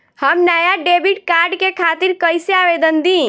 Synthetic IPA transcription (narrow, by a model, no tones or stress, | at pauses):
həmnajaɖebiʈ̚kaːɾɖkekʰat̪iɾkəjseaʋed̪ənd̪ĩ